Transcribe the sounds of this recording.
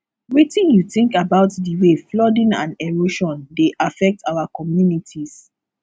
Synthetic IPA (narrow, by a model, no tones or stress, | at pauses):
witĩnjuθĩŋkabaʊtdiweflɔdĩnã̰nɛɹoʃɔ̃ndeʔafɛk̚tʰawakɔmjunitʰis